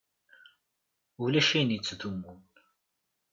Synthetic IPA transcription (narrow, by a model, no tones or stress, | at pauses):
ulæʃæjnjət͡sːðumːun